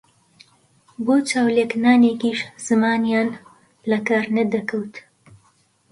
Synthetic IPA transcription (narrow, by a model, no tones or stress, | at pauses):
boːt͡ʃaːwleːknaːneːkiːʃz̥ɨmaːnjaːn | lɐkaːɾnɐd̪ɐkɐwt̪